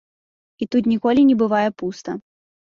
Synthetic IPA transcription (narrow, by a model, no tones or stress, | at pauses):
it̪ut̪̬nʲikɔlʲinʲɛbɨvajɛpust̪ɐ̰